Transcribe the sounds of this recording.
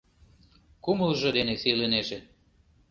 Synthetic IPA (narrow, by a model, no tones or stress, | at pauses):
kuməlʒɤ̆d̪enesileneʒĕ